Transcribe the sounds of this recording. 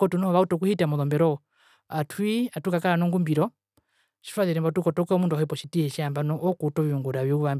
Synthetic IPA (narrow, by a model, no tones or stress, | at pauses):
kɔtunɔɔʋautɔk̬uhitamɔðɔmbɛɾɔ | atʰwiatukakaɾanɔŋɡumbiɾɔ | ʃi̥faðiɾɛmbɔtukɔtɔkɛɔmunduahɔipɔʃitihɛʃiambanɔʔɔkutɔʋiuŋɡuɾaβiuʋam